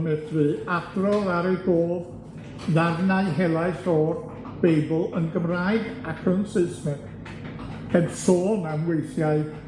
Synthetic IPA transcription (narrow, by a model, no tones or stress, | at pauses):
mɛθvɨːad̥rɔðaɾeɡoːv | ðarnaɨɦɛlˠaɨsɔr | b̥ejbəlˠənɡəmraːɨdakʰənsɨɨsmɛn | hʰɛdsoːnamwejθjaɨ